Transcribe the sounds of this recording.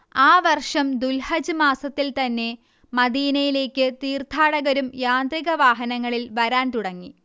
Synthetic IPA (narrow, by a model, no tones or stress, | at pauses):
aːʋɐrʂɐmd̪ulhɐd͡ʑɨmaːsɐt̪ːilt̪ɐnːe̞ | mɐd̪iːnɐjile̞ːkʲːɨt̪iːrt̪ʰaːɽɐɣɐɾumjaːnd̪riɣɐʋaːɦɐnɐŋːɐɭilʋɐɾaːnt̪uɽɐŋːi